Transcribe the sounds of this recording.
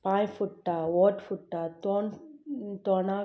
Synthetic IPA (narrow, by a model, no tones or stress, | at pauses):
pãːjfuʈːaoːʈfuʈːaːt̪oːnt̪oːnaː